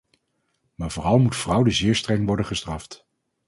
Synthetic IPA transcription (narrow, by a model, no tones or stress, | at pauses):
maːɹvʊːrɑlˠmutfrʌwdəzɪːɹstrɛŋʋɔɹdənχəstrɑft